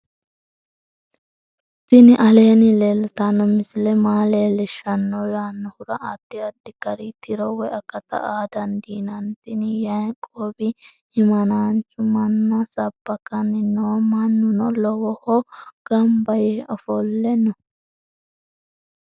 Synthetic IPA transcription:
t̪ɪnɪʔɐle̞ːnɪlelt̪ɐnːɔmɪsɪlɛmaːleːlɛʃɐnːɔjaːnːɔhʊɾɐʔɐd̪ːɪɐd̪ːɪkɐɾit̪ɪɾɔwɛʔɐkːɐt̪ɐ̰ʔaːd̪ɐnd̪iːnɐnt̪ɪnɪjɐjkʼoːbɪ | ɪmɐnaːnt͡ʃːʊmɐnːɐsɐbːɐkɐnɪnoːmɐnːʊnɔlɔwɔhɔɡ̥ɐmbɐjɛɔfɔlːɛnɔ

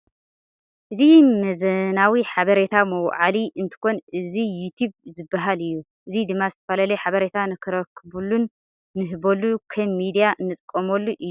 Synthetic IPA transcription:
ʔɨzimɐzɐnawiħaβɐɾet̪ʰamɐwʕaliʔɨnt̪ʰɨ̥ko̞nʔɨzijut̪ʰubzɨbːaɦalɨjːu | ʔɨzid̪ɨmːazɨt̪ʰɐ̥falalɐħaβɐɾet̪ʰanɨkʰɨɾɐkʰːɨbulunː | ɨɦɨbolukʰɐmːid̪ijanːɨt̪ʼkʼːɐmolːuʔɨ

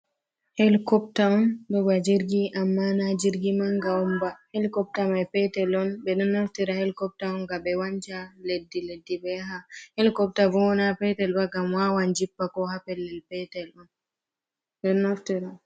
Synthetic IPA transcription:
hɛlkɔp̚taɔndɔbad͡ʒiɾɡiʔamːanad͡ʒiɾɡimaŋɡaɔmbahɛlkɔp̚tamajpɛtɛlɔnbɛɗɔnːaftiɾahɛlkɔp̚taɔŋɡaɓɛwand͡ʒaledːiledːibɛɦahɛlkɔp̚tabɔɔnapɛtɛlbaɡamwawand͡ʒipːakɔhapɛlːɛlpɛtɛlɔn | ɗɔnːaftiɾa

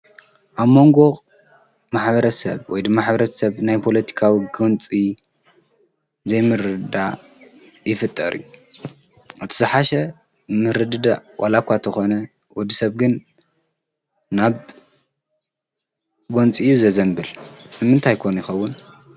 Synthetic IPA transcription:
ʔaβmo̞ŋɡo̞ | maħβɐɾɐsɐβwɔjd̪ɨmaħbɐɾɐtsɐβnajpʰo̞lɐt̪ʰi̥kʰawiɡɨnt͡sʼi | zɐjmɨɾɨd̪ɨd̪a | jɪfɨt̪ʼːɐ̰ɾḭju | ʔɨt̪ʰizɨħaʃɐ | mɨɾɨd̪ɨd̪awʔalakʷːat̪ʰɐxo̞nɐ | wɔd̪isɐβɡɨn | aβ | ɡont͡sʼijuzɐzɐmbɨlnɨmɨnt̪ʰajkʰonjɪxɐwːʊn

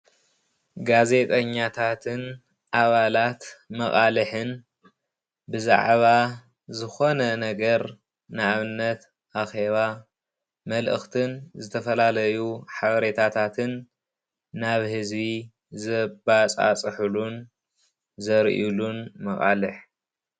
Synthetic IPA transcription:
ɡaze̞t̪ʼɐɲːat̪ʰat̪ʰɨn | ʔaβalat̪mɐχʼalɨħɨn | bɨza̰ʕβa | zɨxo̞nɐnɐɡɐɾ | nɨaβɨnːɐt̪ | ʔaxe̞βa | mɐlʔɨ̰xt̪ʰɨnzɨt̪ʰɐfɐlalɐjuħaβɐɾe̞t̪ʰat̪ʰat̪ʰɨnː | aβhɨzβi | zɐbat͡sʼa̰t͡sʼɨħɨlun | zɐɾʔilunmɐχʼa̰lɨħ

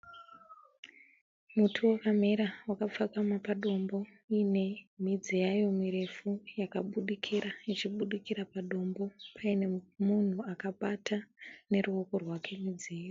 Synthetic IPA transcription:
mutʰuwakam̤iɾawakap͡fakamapaɗo̞mbo̞ | ine̞mid͡zijajo̞miɾe̞fujakaɓuɗikʰiɾait͡ʃiɓuɗikiɾapaɗo̞mbo̞pʰaine̞mun̤uakaɓatane̞ruoko̞rwakʰe̞mid͡zieːjo

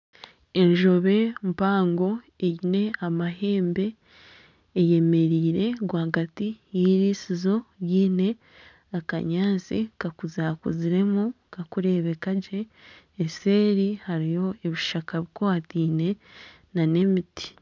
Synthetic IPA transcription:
e̞ɲʒo̞βe̞mpaːŋɡo̞ | eɟine̞amaɦe̞ːmbe̞ː | je̞me̞ɾiːɾe̞ɡwaːɡatijiɾiːsizo̞jiːne̞ | aka̰ɲaːnzḭkakuzaːkṵziɾe̞mu | kakuɾe̞βe̞kaɟe̞ː | se̞ːɾihaɾijo̞eβiʃakaβikoatiːne̞ | nane̞miti̥

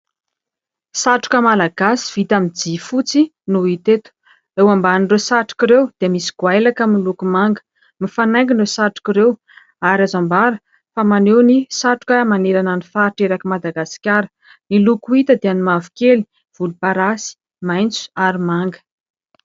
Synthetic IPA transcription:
saʈ͡ʂu̥kəmalaɡ̥asi̥v̥it̪amid͡zifut͡si | nuit̪et̪u̥ | ewambaninrewsaʈ͡ʂu̥kiɾewd̪̥eəmisi̥ɡ̥wajlakamilukumaŋɡə̥ | mifanajŋɡinrewsaʈ͡ʂu̥kʲiɾew | aɾazambaɾə | famanewnisaʈ͡ʂu̥kəmaneɾananifaʈ͡ʂeɾakimad̪aɡaskʲaɾə̥ | nilukuit̪əd̪eanimavu̥keli̥ | v̥ulupaɾasi̥ | majnt͡su̥aɾimaŋɡə̥

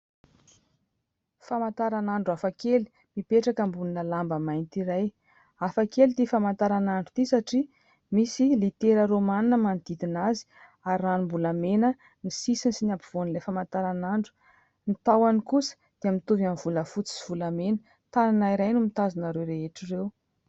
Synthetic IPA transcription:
famant̪aɾanaɳɖ͡ʐuafakeli̥ | mipeʈ͡ʂakəmbulinəlambəmajnt̪iɾaj | afakelit̪ifamant̪aɾanaɳɖ͡ʐut̪isaʈ͡ʂi | misilit̪eɾəɾomaninəmand̪̥id̪inazi̥ | aɾiranumbulamenə | nisisinsinapiv̥onilafamant̪aɾanaɳɖ͡ʐu̥ | nit̪awanikusə̥ | d̪̥eamit̪uvanv̥uləfut͡si̥siv̥ulamenə̥ | t̪ananaiɾajnumit̪azinaɾewɾeɦeʈ͡ʂirew

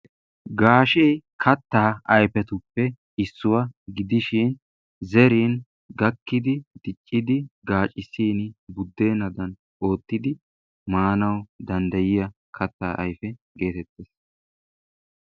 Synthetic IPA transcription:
ɡaːʃeːkʰɐt̪ːaːʔɐjfɛt̪ʊpːɛ | ɪsːʊwɐɡɪd̪ɪʃin | zɛɾiːn | ɡɐkːɪd̪ɪd̪̥ɪt͡ʃʼːɪd̪ɪɡaːt͡ʃʼɪsiːnbʊd̪ːe̞ːnɐd̪ɐn | ʔo̞ːt̪ːɪd̪ɪ | maːnɐwd̪ɐnd̪ɐjɪjɐ | kʰɐt̪ːaːʔɐ̰jfɛ | ɡe̞ːt̪ɛt̪ːeːs

